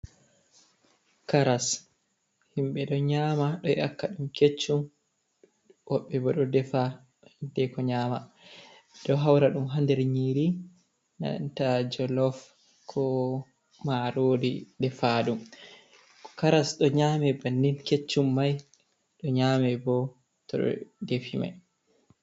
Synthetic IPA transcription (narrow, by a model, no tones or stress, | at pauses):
kaɾas | himɓɛɗɔɲaːmaɗɔɛakːaɗumket͡ʃːum | wɔɓːɛbɔɗɔdɛfa | dɛkɔɲaːma | d̥ɔɦawɾaɗumɦandɛɾɲiːɾi | na̰ntad͡ʒɔlɔf | kʰɔ | maɾoːdidɛfaɗum | kaɾasɗɔɲaːmɛbanːinket͡ʃːumːaj | ɗɔɲaːmɛbɔ | tɔɗɔ̰defima̰j